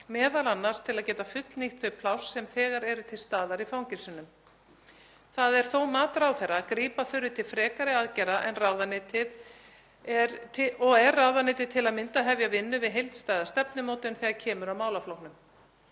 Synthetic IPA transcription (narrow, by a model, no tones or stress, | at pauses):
mɛːðalanːaɾ̥st̪ʰɪlaðcɛːt̪afʏt̪lniht̪ʰʏpʰlawsːɛmθɛːɣaɾɛɾʏt̪ʰɪlst̪aːðaɾifawŋcɪnsʏnʏm | θaðɛɾ̥θowmaːt̪ɾawθɛɾːaːkɾiːpaθʏɾʏt̪ʰɪlfɾɛːkaɾɪaðcɛɾaʔɛnrawðanɪːt̪ɪð | ɛɾɔɛrːawðanɪːt̪ɪðt̪ʰɪlaðmɪnt̪aɦɛvjavɪnːʏvɪðɦejlt̪st̪aːjðast̪ɛpnʏmoːwt̪ʏnθɛːɣacʰɛːmʏɾawmaːwlaflowhnʏm